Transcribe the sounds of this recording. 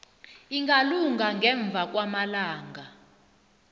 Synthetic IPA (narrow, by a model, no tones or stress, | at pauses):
iŋɡaluŋɡʱaŋɡʱɛɱb̪vʱak̬ʼwamalaːŋɡʱa